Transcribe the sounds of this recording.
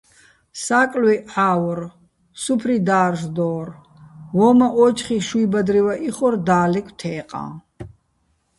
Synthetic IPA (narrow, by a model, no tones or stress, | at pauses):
saːkʼlwɛʕaːwɔr | supʰrid̪aːrʒd̪ɔːr | vɔmaʔɔt͡ʃχiʃwibad̪ɾivaʔiχɔrd̪aːlɛkʷʼʰt̪ʰɛːqʼã̰